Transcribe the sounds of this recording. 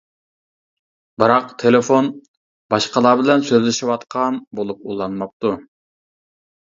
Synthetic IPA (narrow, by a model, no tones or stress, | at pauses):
bɨɾɑqt̪ʰelefon | bɑʃqəlˠɑbɪlɛnsøzlɪʃiwɑt̪qʰɑnbolˠup̚ulˠːɑnmɑp̚t̪u